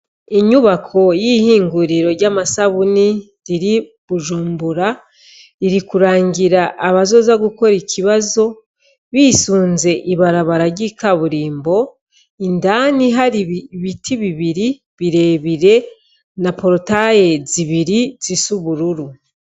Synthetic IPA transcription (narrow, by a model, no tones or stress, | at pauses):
iɲuβakʰo̞jihiːŋɡuɾiɾo̞ɾɟaːmasaβuni | ɾiɾi | βuʒuːmbuɾa | iɾikuɾaːɲɟiɾaʔːβazo̞ːzaɡuko̞ɾicʰiβazo̞ | βiːsuːnze̞ʔiβaɾaβaɾaɟikʰaβuɾiːmbo̞ | indaːniɦaɾiββitʰiβiβiɾi | βiɾe̞ːβiɾe̞ | napo̞ɾotajeziβiɾizisuβuɾuɾu